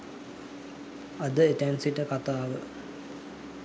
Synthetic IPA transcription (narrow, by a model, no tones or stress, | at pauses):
ɐd̪əet̪ænsiʈəkat̪aːʋə